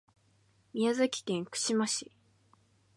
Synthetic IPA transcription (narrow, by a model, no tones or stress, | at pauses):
mʲijazakʲi̥kẽŋkɯ̟̥ɕimaɕi